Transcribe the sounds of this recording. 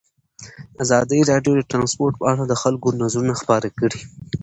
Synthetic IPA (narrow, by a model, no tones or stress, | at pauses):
azɑd̪əɾɑɖjod̪əʈɾɑnspoɾʈ̚pəaɽad̪əxalkonazɾunaxpɑɾakəɽi